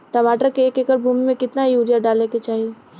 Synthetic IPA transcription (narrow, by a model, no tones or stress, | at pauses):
ʈɐmaːʈəɾkeeːkekəɾbʱuːmimẽkɪt̪naijuːɾijaɖaːleket͡ʃaːɦie